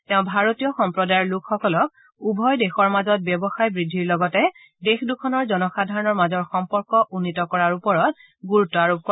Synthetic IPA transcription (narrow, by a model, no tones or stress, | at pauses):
tɛʊ̃bʱaɹotiɔxɔmpɹɔdajɔɹlʊkʰxɔkɔlɔk | ubʱɔjdexɔɹmazɔt̚bjɔbɔxajbɹidʱːiɹlɔɡɔtɛ | dexdukʰɔnɔɹzɔnɔxadʱaɹɔnɔɹmazɔɹxɔmpɔɹkɔʔunːitɔkɔɹaɹupɔɹɔt̚ | ɡuɹutːɔaɹub̚kɔ